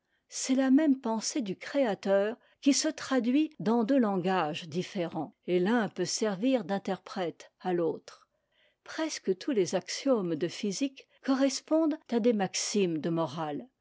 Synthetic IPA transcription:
sɛlamɛmpɑ̃sed̪ykχeat̪œːʁ | kʲisət̪χad̪ɥid̪ɑ̃d̪ølɑ̃ɡaʒd̪ifeʁɑ̃elɛ̃pøsɛʁviʁd̪ɛ̃t̪ɛʁpχɛt̪aloːt̪χ | pχɛskət̪ʰulezaksjomd̪əfizik | kːɔʁɛspɔ̃d̪t̪ad̪emaksimd̪əmɔʁal

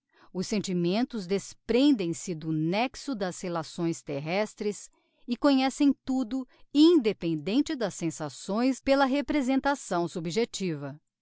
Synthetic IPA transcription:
ʊsːẽnt͡ʃimẽnt̪ʊzd̪espɾẽnd̪ẽj̃sɪd̪ʊnɛksʊd̪ɐshelasõj̃st̪eɦɛst̪ɾɪs | ɪkõɲɛsẽj̃t̪ud̪ʊĩd̪epẽnd̪ẽnt͡ʃɪd̪ɐsːẽsasõj̃spelɐɦepɾezẽnt̪asɐ̃w̃subiʒet͡ʃivɐ

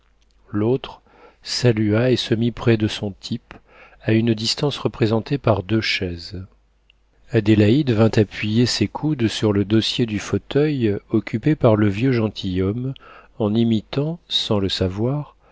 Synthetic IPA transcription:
lot̪χ | salyaesəmipχɛd̪əsɔ̃t̪ʰip | aynd̪ist̪ɑ̃sʁəpχezɑ̃t̪epaʁd̪øʃɛz | ad̪elaid̪vɛ̃t̪apɥijesekʰud̪syʁləd̪ɔsjed̪yfot̪œjɔkʲypepaʁləvjøʒɑ̃t̪ʰijɔmɑ̃nimit̪ɑ̃sɑ̃ləsavwaʁ

